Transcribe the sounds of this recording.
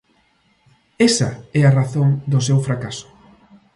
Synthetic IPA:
ɛsɐɛaraθoŋd̪ʊs̬ewfɾakasʊ̥

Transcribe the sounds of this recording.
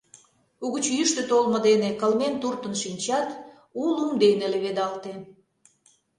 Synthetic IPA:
uɣət͡ɕjyʃt̪et̪olmə̆d̪enekəlment̪urt̪ə̆nʃinʲt͡ɕɑt̪ | ulumd̪eneleβed̪ɑlt̪e

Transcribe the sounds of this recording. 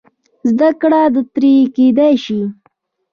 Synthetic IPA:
zd̪akɽad̪ət̪ɾiked̪ajʃi

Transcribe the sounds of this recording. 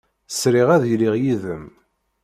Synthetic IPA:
sɾɪʁæðjliʁjiðəm

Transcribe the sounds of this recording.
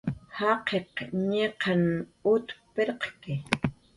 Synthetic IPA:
hɑqeqɲeqʰɑnut̪peɾqkɪ

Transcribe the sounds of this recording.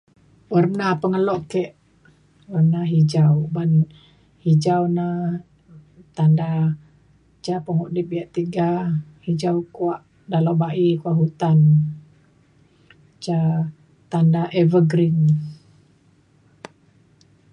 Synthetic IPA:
wərnapəŋəlɔʔkɛʔ | wərnaɦid͡ʒawban | hid͡ʒawna | t̪anda | t͡ʃapəŋuʔdip̚biaʔt̪iɡahid͡ʒawkuaʔ | dalobaʔikuaʔɦut̪an | t͡ʃa | t̪andaʔevəɡɾin

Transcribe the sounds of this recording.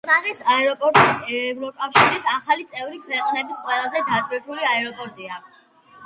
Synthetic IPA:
ɾaʁisaɛɾɔpʼɔɾt̪ʼɛvɾɔkʼafʃiɾisaχalit̪sʼɛvɾikʰɾɛqʼɔnɛbisqʼwɛlˠazɛd̪ad̪ʼbiɾt̪ʰuliaɛɾɔpʼɔɾt̪ʼia

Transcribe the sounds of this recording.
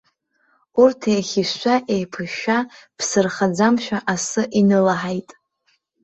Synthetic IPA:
urtʰejχʲiʃʷaʔejpʰɨʃapʰsɨrχad͡zamʃʷᶣaʔasɨʔinɨlaħajtʼ

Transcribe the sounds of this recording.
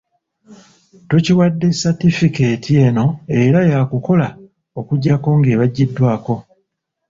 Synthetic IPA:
tociwadːe̞satifikeːtʰie̞no̞e̞ɾajakuko̞la | o̞kuɟːako̞ŋɡe̞ːβaɟːidːwaːko̞

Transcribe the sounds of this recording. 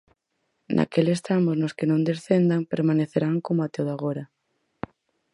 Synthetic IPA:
nʔa̰kelest̪amoznoskenõnd̪esθend̪aŋpeɾmaneθeɾaŋkomoat̪oðoaɣ̞oɾa

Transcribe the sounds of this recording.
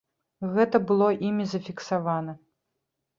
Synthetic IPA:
ɣɛt̪ɐbɨlˠɔʔimʲizɐfʲiksavanɐ

